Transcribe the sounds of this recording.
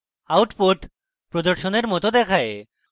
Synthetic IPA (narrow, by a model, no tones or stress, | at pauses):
awʈpoʈ | pɾod̪ɔɾʃoneɾmɔt̪od̪ɛkʰae